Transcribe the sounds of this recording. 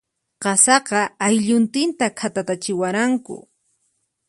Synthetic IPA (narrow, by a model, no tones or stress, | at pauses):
qɑsɑqɑajʎʊnt̪ɪnt̪akʰat̪at̪at͡ʃɪwaɾaŋkʊ̰